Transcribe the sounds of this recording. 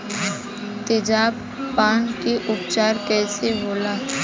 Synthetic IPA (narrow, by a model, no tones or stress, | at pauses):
t̪ɪd͡ʒaːb | paːnkeʔʊpt͡ʃaːɾkɛːseboːlaː